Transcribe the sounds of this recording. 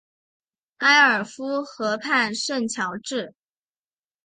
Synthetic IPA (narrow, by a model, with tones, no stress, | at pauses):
ka˥ɪə˞˨˩fu˥xɤ˧˥pʰa˥˧nʂwə˥˩nt͡ɕʰjɑ˧˥ʊʈ͡ʂɻ̩˥˩